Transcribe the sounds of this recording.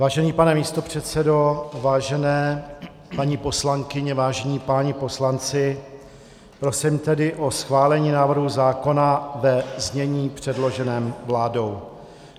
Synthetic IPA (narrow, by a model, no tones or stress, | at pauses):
vaːʒɛniːpanɛmiːst̪o̞pr̝̥ɛt̪t͡sɛdo̞vaːʒɛnɛː | paɲipo̞slaŋkɪɲɛvaːʒɛɲiːpaɲɪpo̞slant͡sɪ | pɾo̞simt̪ɛdɪʔo̞sxvaːlɛɲiːnaːvr̩ɦuzaːko̞navɛzɲɛɲiːpr̥ɛdlo̞ʒɛnɛːmvlaːdo̞w